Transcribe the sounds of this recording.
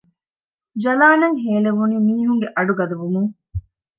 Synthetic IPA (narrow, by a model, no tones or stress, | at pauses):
d͡ʒɐlaːnɐŋɦeːleʋuniːmiːɦuŋɡeʔɐɖuɡɐd̪ɐʋumuŋ